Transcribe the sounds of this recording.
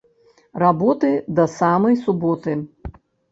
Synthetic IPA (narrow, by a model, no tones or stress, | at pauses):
rabɔt̪ɨd̪ɐsamɐjsubɔt̪ɨ